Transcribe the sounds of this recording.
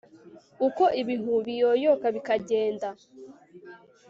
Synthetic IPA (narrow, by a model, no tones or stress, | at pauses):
uko̞ʔiβiɦuβijojokaβikaɟeːnda